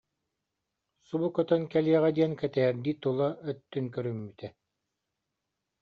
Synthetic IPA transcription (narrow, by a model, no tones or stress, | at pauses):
subukœt̪œnkɛliɛʁɛd̪iɛnkɛt̪ɛɛɾd̪iːt̪ulˠaœt̪ːynkœɾymːyt̪ɛ